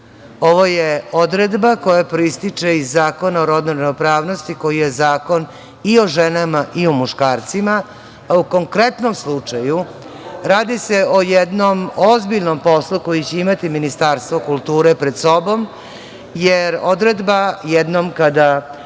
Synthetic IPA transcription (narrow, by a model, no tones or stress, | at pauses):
o̞ʋojeod̪ɾed̪bako̞japɾoist̪it͡ʂeizːaːko̞naoɾod̪nonenopɾaːʋno̞st̪iko̞jijezaːko̞n | io̞ʒenamaʔiumuʃkaːɾt̪sima | auko̞ŋkɾe̞t̪no̞mslˠut͡ʂaju | ɾaːd̪ise̞o̞jɛd̪no̞mozbiʎno̞mpo̞slˠuko̞jit͡ɕe̞imat̪iminist̪aːɾst̪ʋokulˠt̪uːɾepɾed̪so̞bo̞m | jeɾod̪ɾed̪bajɛd̪nomkad̪a